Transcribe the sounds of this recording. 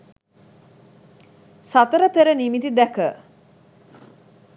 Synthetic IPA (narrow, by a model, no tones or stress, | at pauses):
sat̪əɾəpeɾənimit̪id̪ækə